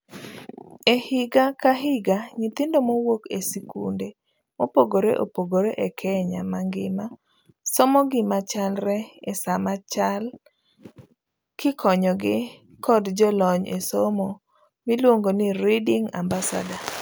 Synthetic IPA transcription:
ehɪɡakaɦɪɡaɲɪt̪ɪndomowokesikṵnde | mopoɡoɾḛʔo̰poɡoɾeʔɛkʰɛɲa̰maŋɡɪma | sɔmɔɡɪmat͡ʃalɾɛɛsamat͡ʃal | kɪkʰɔɲɔɡɪ | kɔdd͡ʒɔlɔɲesomɔ | milwoŋɡoniɾidɪŋa̰mbasa̰da

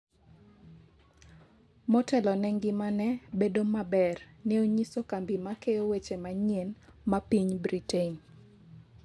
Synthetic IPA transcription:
mɔtɛlɔnɛŋɡɪmanɛbedomabɛrneoɲisokambimakeowet͡ʃemaɲenmapiɲbɾiteɲ

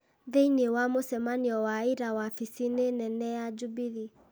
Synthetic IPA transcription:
ðeiniwamosɛmaniɔwaiɾawafisinenɛnɛad͡ʒubiði

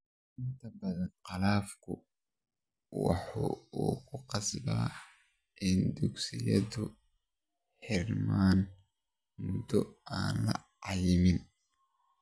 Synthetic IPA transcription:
ʔɪnt̪ʰɐbɐðɐnqɑlaːfkʰʊ | wɑ̰ħṵːuːkʰʊqɑslɐ̰ː | ʔɪnd̪ʊksɪjɐ̰ðʊ | ħɪrmaːn | mʊd̪ɔaːnlɐ̰ʕɑjɪmɪn

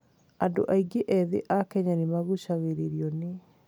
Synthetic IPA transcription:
ado̰ʔaiɡeʔɛðḛʔakɛɲanemaɣuɕaɣeɾeɾiɔne

